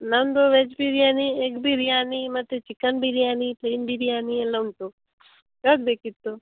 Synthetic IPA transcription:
nənd̪oʋed͡ʒbiɾijaniekbʱiɾijanimət̪et͡ʃikənbiɾijanipleːnbʱiɾijanieləwnt̪o | t͡ʃəkb̪ekit̪ːo

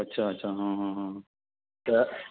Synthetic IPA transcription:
ɐtːʃʰaɐtːʃʰaɦãːɦãɦã | t̪ɐ

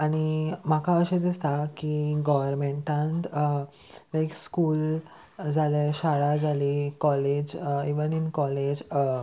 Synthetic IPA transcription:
aɽ̃imakʰaəɕed̪ist̪akiɡɔʋəɾmeɳʈãnt̪ | nekskuːl | d͡zʱaleɕaɭad͡zʱalikɔled͡ʑiʋəninkɔled͡ʑ

